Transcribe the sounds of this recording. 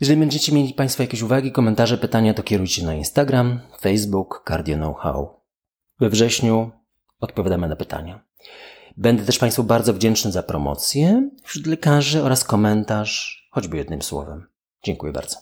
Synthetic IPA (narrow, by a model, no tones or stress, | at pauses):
jɛʐɛlʲibɛɲd͡ʑɛt͡ɕɛmʲjelʲipaj̃st̪fɔjakʲeɕuvaɡʲikɔmɛnt̪aʐɛpɘt̪aɲat̪ɔkʲɛɾujt͡ɕɛnainst̪aɡɾamfɛjzbukːaɾd̪ʲjɔnɔwxa̰w | vɛvʐɛɕɲu | ɔt̪̚pɔvʲjad̪amɘnapɘt̪ʰa̰ɲa | bɛnd̪ɛt̪ɛʂpajst̪fɔbaɾd̪zɔvd͡ʑɛnt͡ʂnɘzapɾɔ̰mɔ̰t̪sʲjɛfɕɾut̪lɛkaʐɘɔɾaskɔmɛnt̪aʂxɔd͡ʑbɘjɛd̪nɘmswɔ̰vɛm | d͡ʑɛŋkujɛba̰ɾd̪zɔ̥